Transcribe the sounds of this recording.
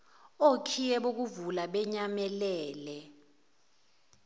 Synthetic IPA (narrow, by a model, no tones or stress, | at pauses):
okʰijɛɓok̬uvulaɓɛɲamɛlɛːlɛ